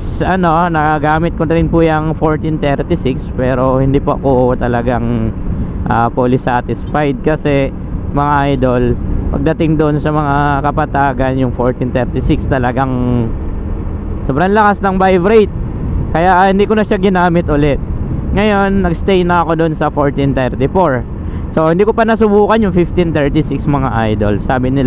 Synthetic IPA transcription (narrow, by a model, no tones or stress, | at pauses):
sʔɐno̞nɐkɐɡaːmɪt̪̚konɐɾɪnpʊjɐŋfoɹt̪int̪ɛɾt̪ɪsɪkspɛːɾo̞hɪnd̪iːpoʔɐkoʔt̪ɐlɐɡaŋ | ʔaːpolɪsat̪ɪspajd̪̚kɐsɛ | mɐŋaʔajd̪o̞lpɐ̰ɡ̚d̪ɐt̪ɪŋd̪oʔonsɐmɐŋakɐpɐt̪aːɡɐnjʊŋfo̞ɹt̪int̪ɛɾt̪ɪsɪkst̪ɐlɐɡaŋ | soːbɾɐŋlɐkasnɐŋbajvɾejt̪̚ | kɐjaʔhɪnd̪iːkonɐʃaɡɪnaːmɪt̪ʔʊlɛt̪̚ŋɐjo̞nːɐɡst̪ɛjnɐɐko̞d̪onsɐfoɹt̪ɪnt̪ɛɾt̪ɪfoɹ | so̞hɪnd̪iːkopɐnɐsʊbuːkɐnjʊŋfɪft̪int̪ɛɹt̪ɪsɪksmɐŋaʔajd̪o̞lsaːbɪnɪl